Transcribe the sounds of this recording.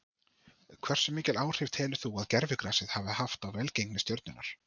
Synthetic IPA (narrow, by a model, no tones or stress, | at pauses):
kʰvɛr̥sʏmːiːcɪlaːwr̥ɪv̥t̪ʰɛːlʏθuaðcɛɾvɪkɾaːsɪðhaːvɪhaft̪avvɛlcejknɪst̪jœwɾt̪nʏnːa̰ɾ̥